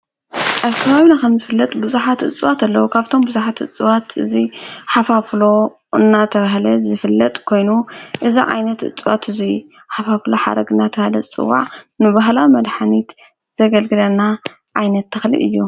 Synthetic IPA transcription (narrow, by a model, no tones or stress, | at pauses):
ʔaβkʰɐβaβinakʰɐmzɨfɨlːɐt̪ʼbɨzuħat̪ɨ̰t͡sʼɨwat̪alːɐwukʰaβt̪ʰo̞mbɨzuħat̪ʔɨ̰t͡sʼwat̪ɨziħafaflo̞ | ʔɨnːat̪ʰɐβahlɐzɨfɨlːɐt̪ʼkʰo̞jnuʔɨziʕa̰jnɐt̪ʔɨ̰t͡sʼwa̰t̪ɨzi | ħafafloħa̰ɾɐɡɨnːat̪ʰɐhalɐt͡sʼɨ̰wːa̰ʕnɨβaɦlawmɐd̪ħanit̪ | z̥ɐɡɐlɡɨlɐnːa | ʕajnɐt̪ːɐxlḭʔɨ̰jːu